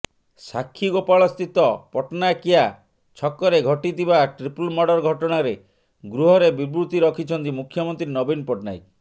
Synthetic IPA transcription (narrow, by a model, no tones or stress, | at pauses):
sakʰːiɡopaɭɔst̪it̪ɔpɔʈnajkia | t͡ʃʰɔkːɔɾeɡʱɔʈit̪iβaʈɾipulmɔɽɔɾɡʱɔʈɔɽ̃aɾe | ɡɾuɦɔɾebibɾut̪iɾɔkʰit͡ʃʰɔnt̪imukʰːjɔmɔnt̪ɾinɔbinpɔʈna̰j